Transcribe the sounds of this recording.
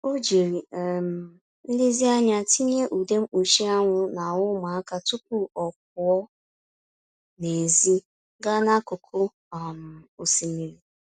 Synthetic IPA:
o˦d͡ʒi˨ɾi˨m̩˨ | n̩˦di˦zi˦a˦ɲa˦ti˦ɲe˦ʔu˨de˦m̩˦u˨ʃi˦a˦ŋʷʊ˦na˨ʊ˦ma˨a˦ka˨tu˦p̚ʊ˦ɔ˨k̚ʊ˨ɔ˦ | ne˨zi˦ | ɡa˦na˦kʊ˨kʰʊ˦ | a˨m̩˨o˨si˨mi˨ɾi˨

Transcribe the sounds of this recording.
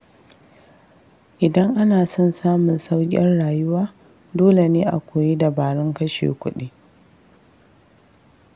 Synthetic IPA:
ʔɪ˨dɐ˦ŋʔa˦naː˨sɔ˦nsaː˦mʊ˨nsa˦wkʲʼɪ̰˦nɽaː˨jʊ˦waː˦ | doː˦le˨neː˦ʔa̰˨kʷoː˨ji˦da˨baː˨ɽɪ˦ŋkɐ˦ʃḛ˨kʷʊ˦ɗi˦

